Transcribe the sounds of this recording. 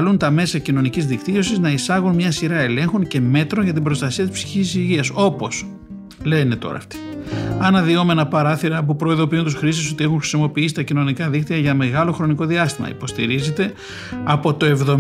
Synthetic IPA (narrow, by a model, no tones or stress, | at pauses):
lunt̪ɐme̞sɐcino̞nicizðikt̪io̞siznɐisɐɣunmɲɐsiɾɐe̞le̞ŋxoɲce̞me̞t̪ɾo̞nʝɐt̪̬ibɾo̞st̪ɐsiɐt̪ispsi̥çisiʝiɐso̞po̞s | le̞net̪o̞̰ɾɐ̰ːft̪i̥ɐnɐðio̞menɐpɐɾɐθiɾɐːp̬upɾo̞iðo̞piunt̪usxɾist̪is̬o̞t̪ie̞xunxɾisimo̞piisi̥t̪ɐcino̞nikɐðikt̪iɐʝɐme̞ɣɐlo̞xɾo̞niko̞ðiɐst̪imɐ̰ḭpo̞st̪ḭɾize̞t̪e̞ | ɐpo̞t̪o̞e̞vðo̞